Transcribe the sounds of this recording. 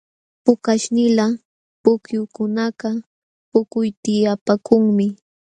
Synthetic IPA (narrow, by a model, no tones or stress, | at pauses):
pʊkaʃnɪla | pʊkjʊkʊnɑɢɑ | pʊkʊjt̪ɪjapakʊŋmɪ